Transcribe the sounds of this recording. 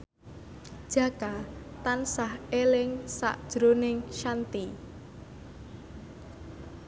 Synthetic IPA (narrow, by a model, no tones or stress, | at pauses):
ʒ̥a̤ka | t̪ansahelɪŋsa̰ʔd̥ʒ̥ɾonɪŋʃant̪i